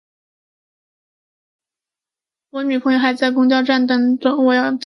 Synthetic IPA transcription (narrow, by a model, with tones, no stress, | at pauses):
wɔ˧˥ny˨˩pʰŋjo˧ʊxa˧˥ɪt͡sa˥˩ɪkʊ˥ŋt͡ɕjɑ˥˧ʊʈ͡ʂa˥˩nt̪ɤ˥ŋʈ͡ʂʊ˥ŋwɔ˨˩jɑ˥˩ʊt͡s̪